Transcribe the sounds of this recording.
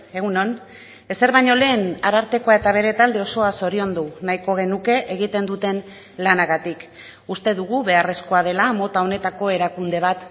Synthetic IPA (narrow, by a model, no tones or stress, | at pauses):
e̞ɣuno̞n | e̞se̞ɾβajɲo̞le̞ːnaɾaɾt̪e̞ko̞ae̞t̪aβ̞e̞ɾe̞t̪ald̪e̞o̞so̞aso̞ɾio̞nd̪unajko̞ɣ̞e̞nuke̞ʔeɣit̪e̞nd̪ut̪e̞n | lanaɣat̪ik | ust̪e̞ðuɣuβe̞are̞sko̞að̞e̞lamo̞t̪ao̞ne̞t̪ako̞e̞ɾakund̪e̞β̞at̪